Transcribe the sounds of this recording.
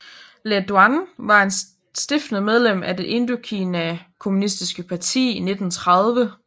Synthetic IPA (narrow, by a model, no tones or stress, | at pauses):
led̥uænʋɑ̈e̝n | sd̥efd̥nð̩ˠmeð̞ˠlem̰ʔæd̥e̝ʔe̝nd̥uɐkʰinækʰo̝munisd̥isɡ̥əpʰɑ̈t͡sʰḭːine̝d̥n̩t͡sʰʁɑð̞ˠʋə